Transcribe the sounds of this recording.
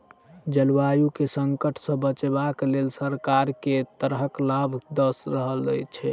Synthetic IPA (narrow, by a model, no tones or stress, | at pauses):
d͡ʒəlwajukesəŋkəʈʰsə̃bət͡ʃebaklelsəɾkaɾket̪əɾɦəklabʱd̪əsɾəɦəld͡ʒəjt͡ʃʰɛ